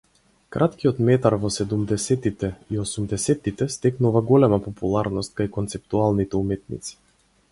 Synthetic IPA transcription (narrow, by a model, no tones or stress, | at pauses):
kɾʔat̪kiɔt̪mɛt̪aɾvɔsɛd̪umd̪ɛsɛt̪it̪ɛiɔsumd̪ɛsɛt̪ːit̪ɛst̪ɛknuvaɡɔlɛmapɔpulˠaɾnɔst̪̚kajkɔnt̪sɛp̚t̪ualˠnit̪ɛumɛt̪̚nḭt̪si̥